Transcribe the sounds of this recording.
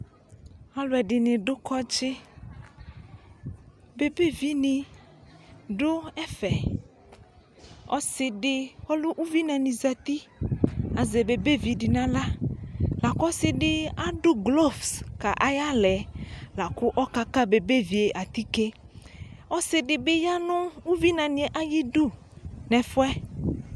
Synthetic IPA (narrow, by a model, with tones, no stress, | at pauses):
a˦lʊ˨˦ɛ˨ɖɪ˨nɪ̃˨ɖʊ˦kɔ˦t͡ʃɪ˦ | be˨be˦vi˦nɪ̃˨ | ɖʊ˦ɛ˦fɛ˨ | ɔ̰˦sɪ˦ɖɪ˦wɔ˦lʊ˦ʔu˦vi˦nã˨nĩ˨za˨t̪i˦ | a˨zɛ˨be˨be˦vi˨dɪ˨nã˨la˦la˨kɔ˦sɪ˨ɖɪ˦a˦ɖʊ˦ɡlɔ˦˨fska˨ʔa˨ja˦lɛ˨la˨kʊ˦ʔɔ˦ka˦ka˦be˨be˦vi˨e˨ʔa˨t̪i˦ke˦ | ɔ˦sɪ˨ɖɪ˨bɪ˦ja˦nʊ̃˦u˦vi˦nã˨nĩ˨e˨ʔa˦ji˦du˦ | nɛ̃˨fʊ˦ɛ˦